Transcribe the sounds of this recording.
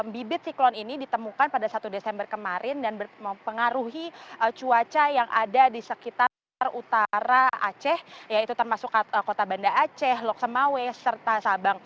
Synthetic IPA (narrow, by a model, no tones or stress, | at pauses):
mbibɪt̪̚siklɔninidit̪əmukanpadasat̪udesɛmbərkəmaɾʔɪndanbəməpəŋaɾuɦiʔət͡ʃuat͡ʃajaŋʔa̰dadisəkit̪a | rut̪aɾaa̰t͡ʃɛhjait̪ut̪ərmasʊkəkot̪abandaat͡ʃɛɦlɔk̚səmawɛsərt̪asabaŋ